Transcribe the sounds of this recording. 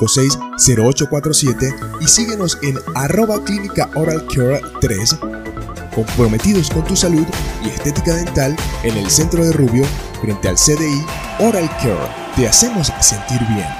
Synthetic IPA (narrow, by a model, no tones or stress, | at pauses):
ose̞jsːe̞ɾo̞ot͡ʃo̞kwat̪ɾosje̞t̪e̞isiɣe̞no̞se̞naro̞βaklinikaʔoɾalkʰeɾt̪ɾe̞s | ko̞mpɾo̞me̞t̪iðo̞sko̞nt̪usaluðie̞st̪e̞t̪ikaðe̞nt̪ale̞ne̞lse̞nt̪ɾo̞ðe̞ruβjo̞ | fɾe̞nt̪e̞a̰lseðei | o̞ɾalkʰḛɾ | t̪e̞ase̞mo̞sase̞nt̪iɾβje̞̰n